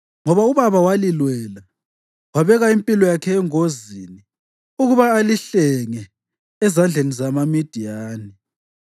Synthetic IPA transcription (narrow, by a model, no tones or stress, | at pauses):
ŋɔβauβaβawalilwɛla | waβɛɣaimpʼilɔjakʰɛːŋozini | uɣuβaːliɬɛŋɛ | ɛzand͡ɮʱenizamamid̥ʱijaːni